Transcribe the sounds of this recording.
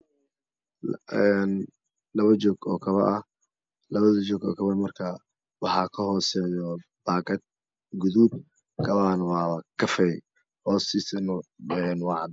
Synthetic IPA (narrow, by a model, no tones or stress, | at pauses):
ɛn | lɐβɐt͡ʃɔːɡɔːkʰɐβɐ̰ʔɐ | lɐβɐðɐt͡ʃɔːɡɔ̰ːkʰɐβɐmɐrkʰɐ | wɑħɑkʰɐhɔːsɛːjɔb̥aːɡɐd̪̚ | ɡʊðub̚ | ɡʰɐβɐnwɑːβɐkʰɐfɛːj | hɔːsisɐnɛnwɑʕ